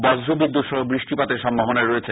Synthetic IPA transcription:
bɔd͡ʑɾobid̪ːut̪ʃɔɦobɾiʃʈipat̪eɾʃɔmboɦoneɾoet͡ɕʰe

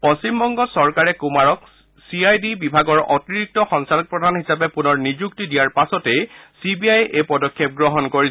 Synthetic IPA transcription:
pɔst͡ɕimbɔŋɡɔsɔɹkaɹɛkumaɹɔk | siajdibibʱaɡɔɹʔɔtiɹik̚tɔxɔŋsalɔk̚pɹɔdʱanhisapɛpunɔɹnizuk̚tidijaɹpasɔtɛsibiajʔepɔdɔkʰːjɛp̚ɡɹɔɦɔnkoɹi

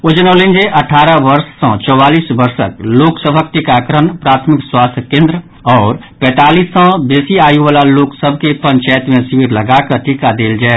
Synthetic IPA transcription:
od͡ʒnoːlĩnd͡ʒeʔəʈʰaːɾəʋəɾsːə̃t͡ʃɔwaːlisbəɾsə̰kloːksəbʱək̚t̪ikakɾənpɾaːt̪ʰmɪkswaːst̪ʰəkẽːnd̪ɾə | ɔːɾ | pɛ̃ːt̪aːliːsə̃beːsiaːjuʋaːlaloːksəbʱkepə̃ɲt͡ʃaːjt̪mẽsiwiɾləɡakəɾʈʰikad̪eːld͡ʒaːe

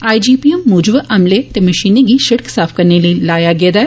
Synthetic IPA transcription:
aːid͡ʒiːpiːəmːuːd͡ʒbʔɐmlet̪eːməʃiːneɡiʃɐɽksaːpʰkɐɾneləilaːjaɡɪeːd̪aːɛ

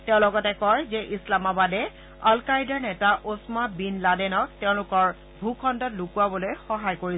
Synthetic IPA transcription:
tɛʊ̃lɔɡɔtɛkɔjzɛʔislamabadɛ | alkajdɔɹnɛtaʔosmabinladɛnɔk̚tɛʊ̃lʊkɔɹ | bʱukʰɔndɔtlukuabɔlojxɔɦajkoɹi

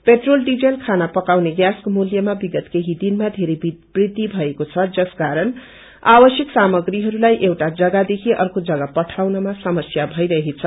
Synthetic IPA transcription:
peʈrolɖid͡zelkʰanapʌkawneɡjaskomuljʌmabiɡʌt̪keɦid̪inmad̪ʱeɾeb̥rid̪ibʱʌekot͡sʰʌd͡zʌskaɾʌn | abʌsjʌksamʌɡriɦʌɾulajʔewʈad͡zʌɡad̪ekʰiʔʌ̰rkod͡zʌɡapʌʈʰawnʌmasʌmʌsjabʱʌjɾʌɦit͡sʰʌ

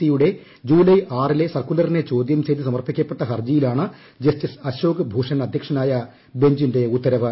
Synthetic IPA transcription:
tːijuɽe̞ | d͡ʑuːlɐjʔaːrile̞sɐrkulɐrinet͡ɕo̞ːd̪jɐmseːd̪isɐmɐrpikʲːɐpːe̞ʈːɐɦɐrd͡ʑijilaːɳɨ | d͡ʑɐstisɐɕo̞ːɡɨbʱuːʂɐnɐd̪ʱjɐkʂɐnaːjɐ | be̞ɲd͡ʑinde̞ut̪ːɐɾɐʋɨ

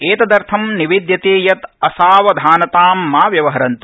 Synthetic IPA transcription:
eːt̪ɐd̪ɐɾt̪ʰɐmniʋid̪jɐt̪eːjɐt̪ɐsaːʋɐd̪ʱaːnɐt̪aːmːaːʋjɐʋɐɦɐɾɐnt̪u̥

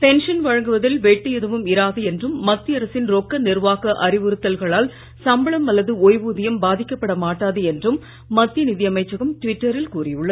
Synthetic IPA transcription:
pɛnʂɐnʋɐɻɐŋɡɯʋɐðɪlʋeːʈːɯjɛðɯʋɯmɪɾaːðɯɛndrɯmːɐt̪ːɪɐɾɐsɪnɾokːɐnɪrʋaːɣɐʔɐrɪʋɯɾɯt̪ːɐlɣɐɭaːl | sɐmbɐɭɐmɐlːɐðɯoːjʋuːðɪjɐmbaːðɪkːɐpːɐɽɐmaːʈːaːðɯɛndrɯmː | ɐt̪ːɪjɐnɪðɪjɐmɐɪt͡ʃːɐɣɯmʈʋɪʈːɐɾɪlkuːrɪjɯɭːɐð

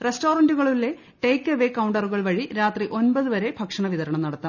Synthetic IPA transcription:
resʈo̞ːrɐnduɣɐɭilːe | ʈeːkːɐʋeːkːɐwɳɖɐruɣɐɭʋɐɻiɾaːt̪riʔo̞nbɐðuʋɐɾe̞bʱɐkʂɐɳɐʋiðɐɾɐɳɐmnɐɽɐt̪ːam

